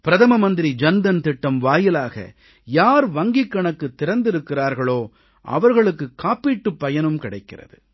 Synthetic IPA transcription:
pɪɾɐðɐmɐmɐnd̪ɪɾid͡ʒɐnd̪ɐnt̪ɪʈːɐmʋaːjɪlaːɣɐ̰ | jaːɾʋɐŋɡɪkːɐɳɐkːɯt̪ːɪɾɐnd̪ɪɾɯkːɪraːɾɣɐɭoː | ʔɐ̰ʋɐɾɣɐɭɯkːɯkːaːpːiːʈːɯpːɐjɐnɯmkɪɽɐɪkːɪrɐ̰ðɯ̰

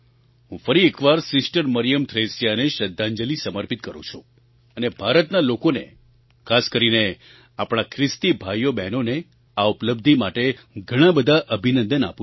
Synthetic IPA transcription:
ɦũfəɾiekʋaɾsɪsʈəɾməɾijəmt̪ʰɾesjaneʃəd̪ʱːãɲd͡ʒəlisəməɾpit̪̚kəɾṵ̃t͡ʃʰũ | ənebʱaɾət̪nalokonḛ | kʰaskəɾine | apɽ̃akʰɾɪst̪ibʱajobɛnone | aupləb̚d̪ʱimaʈe | ɡʱəɽ̃ãbəd̪ʱaʔəbʱinənd̪əna̰pũ

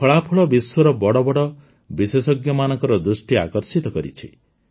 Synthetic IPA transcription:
pʰɔɭapʰuɭɔbiswɔɾɔbɔɽɔbɔɽɔ | bisesɔɡjɔmanɔŋkɔɾɔd̪ɾusʈia̰kɔɾsit̪ɔkɔɾḭt͡ʃʰḭ

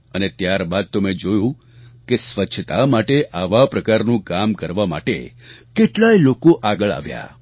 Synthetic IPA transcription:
ənet̪jaɾbad̪̚t̪omẽd͡ʒojũ | kesʋət͡ʃʃʰət̪amaʈeʔaʋapɾəkaɾnũkamkəɾʋama̰ʈḛ | keʈlajlokoʔaɡəɭa̰ʋja̰

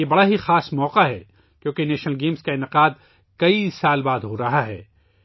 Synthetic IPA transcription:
ebɐɽaɦixaːsmɔːqaɦɛ | kjõːkeneːʃnəlɡeːmskaɪnɪqaːd̪ | kɐisaːlbaːd̪ɦoɾɐɦaɦɛ̰ː

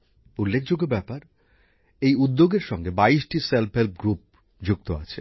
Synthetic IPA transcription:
ulːekʰd͡ʑoɡobɛpaɾ | ejud̪ːoɡeɾʃɔŋɡebaiʃʈiselpɦelp̚ɡɾup̚ | d͡ʑuk̚t̪oa̰t͡ɕʰe

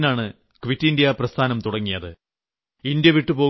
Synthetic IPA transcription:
naːɳɨ | kʋitːindjɐprɐst̪ʰaːnɐmt̪uɽɐŋːijɐðɨ | indjɐʋiʈːɨpo̞ː

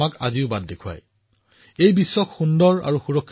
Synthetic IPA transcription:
akaziʊbad̚dekʰua̰j | ejbisːɔkxundɔɹa̰ɹuxuɹɔkʰː

